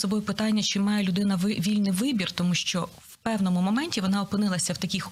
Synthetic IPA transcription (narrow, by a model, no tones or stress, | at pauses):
sɔbɔjʊpɪt̪ɑnʲːɐt͡ʃɪmɑjɛlʲʊd̪ɪnɐʋʲilʲnɪjʋɪbʲirt̪ɔmuʃt͡ʃɔ | wpɛwnɔmʊmɔmɛnʲtʲiʋɔnɑɔpɪnɪlˠɐsʲɐwt̪ɐkʲɪx